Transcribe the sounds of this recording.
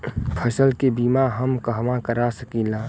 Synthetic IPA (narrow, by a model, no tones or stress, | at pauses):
pʰəsəlkebiːmaɦəmkəɦmãkəɾasəkilaː